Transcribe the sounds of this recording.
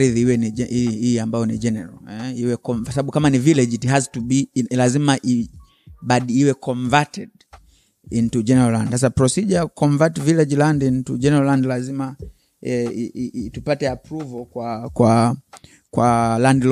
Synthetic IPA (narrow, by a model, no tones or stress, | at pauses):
ɾiðihiwɛniɛiiambajɔnid͡ʒɛnɛɹa̰lɛiwɛkɔmsaɓaɓukamanivilɛd͡ʒithaztubilazimaʔi | baɗiiwɛkʰɔɱvatɛd | intud͡ʒɛnɛɹalãndsas̬apɹɔsid͡ʒakʰɔɱvatvilɛd͡ʒlandintud͡ʒɛnɛɹalandlazima | ɛ | tupatɛapɾuvɔkwakwa | kwalandi